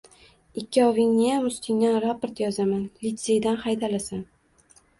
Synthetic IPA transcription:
ɪkʲʰːɪɒvɪŋnɪjamʊst̪ʰɪŋnanɾapoɾt̪jɒzamanlɪt̪sejd̪anχajd̪alasan

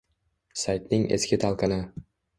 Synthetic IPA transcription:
sajt̪nɪŋe̞̰skʲɪt̪ʰalˠqɑnɪ

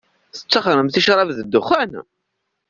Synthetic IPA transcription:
θə̥t͡sːɑχɾəmθiʃɾˤɑvðəd̪ːʊχæn

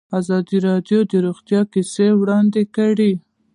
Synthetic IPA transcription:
azɑd̪iɾɑd̪jod̪əɾuɣt̪jɑkisewɽɑnd̪ekaɽi

